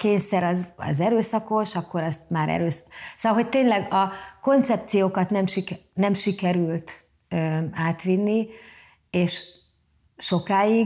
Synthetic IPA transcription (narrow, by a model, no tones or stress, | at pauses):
keːɲsɛɾɒzɒ̰zɛɾøːsɒko̞ʃɒkːo̞ɾɒst̪maːɾɛ̰ɾøːssoɒlɦo̞c̚t̪eːɲlɛɡɒko̞nt̪sɛp̚t̪sijoːkɒt̪nɛmʃinɛmʃikɛɾylt̪ | øaːt̪ʋinːi | eːʃ | ʃo̞kaːi